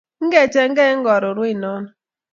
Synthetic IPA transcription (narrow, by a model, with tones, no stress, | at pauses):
ŋ̩˦ɡe˦˨t͡ʃe˨ŋ̩˦ɡe˦ŋ̩˦ɡɔ˨ɾʊ˨ɾʊ˦i˦nɔ˦nʊ˨˦